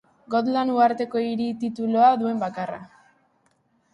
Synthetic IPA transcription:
ɡo̞t̪lanuaɾt̪e̞ko̞iɾit̪it̪uloaðue̞mbakara̰

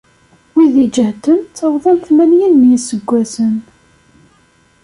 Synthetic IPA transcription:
wiðid͡ʒəht̪əmt̪ːəʁðˤənθmænjinːjsəɡʷːæsən

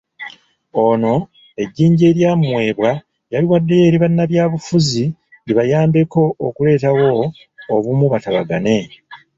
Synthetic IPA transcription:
o̞no̞ | e̞ɟːiːɲɟe̞ːɾjaːmwe̞ːβwa | jaliwadːe̞je̞ːɾiβanːaβjaːβufuzi | iβajaːmbe̞ko̞okule̞ːtawo̞ː | βumuβataβaɡane̞

